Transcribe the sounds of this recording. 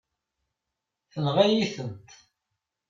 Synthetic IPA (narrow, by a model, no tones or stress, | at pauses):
θəlʁæjiθənt̪